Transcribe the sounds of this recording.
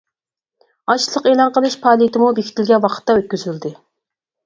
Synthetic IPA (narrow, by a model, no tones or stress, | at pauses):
ɑʃlˠəqeːlˠɑnqəlˠɨʃpʰɑːlˠit̪ɪmubekʲʰi̥t̪ʰɪlʲɡʲɛwɑqʰə̥t̪ːɑøt̪̚kʲyzyld̪ɪ